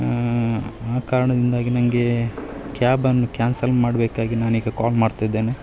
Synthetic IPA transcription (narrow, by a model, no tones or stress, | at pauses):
aːkaːɾɐɳɐd̪ind̪aːɡinɐŋɡe̞kaːbɐnːukaːnsɐlmaːɽbeːkaːɡinaːniːɡɐkaːlmaːɽt̪ajd̪ːeːne